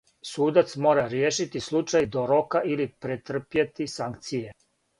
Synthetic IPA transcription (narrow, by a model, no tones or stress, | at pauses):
suːd̪at̪smo̞ːɾaɾjeːʃit̪islˠut͡ʃajd̪oɾokailipɾet̪r̩pjet̪isaŋkt̪sije